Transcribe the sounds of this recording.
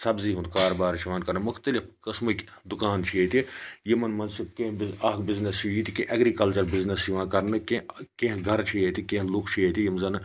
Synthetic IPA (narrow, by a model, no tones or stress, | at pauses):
sɐbziːɦũnd̪kaːɾbaːɾt͡ʃʰiʋaːnkɐɾnɨmʊxt̪ɐlifkəsmək | d̪ʊkaːnt͡ʃʰiet̪ʰijimɐnmɐnzt͡ʃʰikẽːɦbaːkbɪznest͡ʃʰijit̪ikẽʔɐɡɾiːkɐlt͡ʃɐɾbɪznesjiʋãːkɐɾnɨkekẽːɦɡʱɐɾt͡ʃʰijet̪ʰikẽːɦlʊkʰt͡ʃʰijet̪ʰijimzɐn